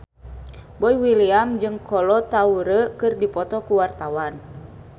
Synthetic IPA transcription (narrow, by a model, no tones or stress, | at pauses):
bɔiwiliamd͡ʒɨŋkɔlɔt̪auɾəkɨrdipɔt̪ɔkuwart̪awan